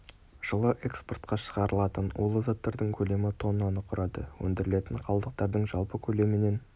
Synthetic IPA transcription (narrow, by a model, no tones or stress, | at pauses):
ʒ̥əlˠəʔe̞kspo̞rt̪qɑʃə̥ʁɑɾəlˠɑt̪ənwolˠəzat̪ːɑɾd̪əɴkʲʰɵle̞mɪt̪ʰo̞nɑnəqʰʊɾʔɑd̪əwɵ̰nd̪ɪɾɪle̞t̪ɪɴqʰɑlˠd̪əq̚t̪ɑɾd̪əɴʒɑlˠpəkʲʰɵle̞mɪne̞n